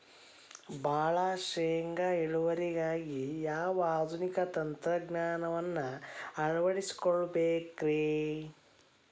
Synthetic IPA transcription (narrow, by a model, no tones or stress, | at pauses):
bʱaːɭaʃeːŋɡɐiɭuʋɐɾiɡaːɡijaːʋaːd̪ʱunikɐt̪ɐnt̪ɾɐɡnaːnɐʋɐnːɐɐɾuʋɐɽisi̥koɭubeːkɾe